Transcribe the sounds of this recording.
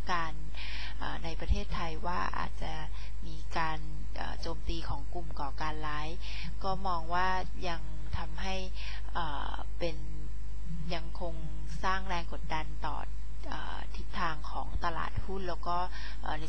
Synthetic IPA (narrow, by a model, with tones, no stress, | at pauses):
kaː˧n | ʔa̰ː˨˩a˧jpɾa˧t̪ʰeː˥˩t̪ʰːa˧jwaː˥˩ʔa̰ː˨˩t̪̚t͡ɕa˨˩ | miː˧kaː˧n | ʔa̰ː˨˩t͡ɕoː˧mt̪iː˧kʰɔː˩˦ŋku˨˩mkɔː˨˩kaː˧nlaː˦˥j | kɔː˥˩mɔː˧ŋwaː˥˩ | ja˧ŋ | t̪ʰa˧mɦa˥˩j | ʔɤː˨˩ | pe˧n | ja˧ŋkʰo˧ŋ | saː˥˩ŋɾɛː˧ŋko˨˩t̪̚da˧nt̪ɔ̰ː˨˩ | ʔa̰ː˨˩ | t̪ʰi˦˥t̪ʰːaː˧ŋkʰɔ̰ː˩˦ŋt̪a˧la̰ː˨˩t̪̚hu˥˩nlɛː˦˥wkɔː˥˩ | ʔaː˨˩na˧